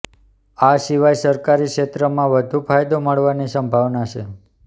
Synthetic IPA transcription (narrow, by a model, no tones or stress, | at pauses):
aʃiʋajsəɾkaɾikʃet̪ɾəmãʋəd̪ʱupʰajd̪oməɭʋanisəmbʱaʋnaʃʰe